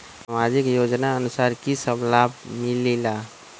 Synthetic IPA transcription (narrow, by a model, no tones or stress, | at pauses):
samaːd͡ʒɪkjoːd͡ʒnaənʊsaːɾkisəblaːbmɪlila